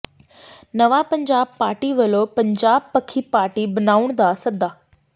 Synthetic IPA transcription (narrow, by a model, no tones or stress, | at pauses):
nəʋapə̃ɲd͡ʑaːb̚paːɾʈiʋəlopɐ̃ɲd͡ʑaːb̚pəkʰipaːɾʈibɐnaːuɳ̃d̪asɐd̪ʱaː